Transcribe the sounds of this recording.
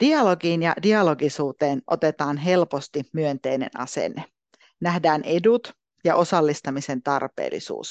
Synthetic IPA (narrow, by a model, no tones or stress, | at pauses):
d̥iɑlo̞ɡiːnjɑ̰diɑlo̞ɡisuːt̪e̞ːnʔo̞̰t̪e̞t̪ɑːnɦe̞lpost̪imyønt̪e̞jne̞̰nɑ̰sḛnːe | næhdæːnʔedut̪ | jɑʔo̞sɑlːist̪ɑmise̞nt̪ɑrpḛːlːḭsṵːs